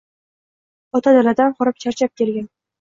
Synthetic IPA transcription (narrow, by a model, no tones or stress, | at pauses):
ɒt̪ʰad̪alad̪anqʰɒɾɪp̚t͡ʃʰaɾt͡ʃʰap̚kʲʰe̞ɾɡʲan